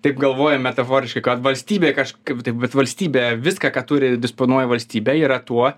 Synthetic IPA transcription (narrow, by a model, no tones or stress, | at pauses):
t̪ɐɪpɡɐlˠʋoːjɛmʲɛt̪ɐfoːɾʲɪʃkɐɪkɐt̪ʋɐlʲsʲt̪ʲiːbʲeːkɐʃkɐt̪ɐɪpbʲɛt̪ʋɐlʲsʲt̪ʲiːbʲeːʋʲɪskɑkɐtt̪ʊɾʲɪd̪ʲɪsponuɔjɛʋɐlʲsʲt̪ʲiːbʲɛiːɾɐt̪uɔ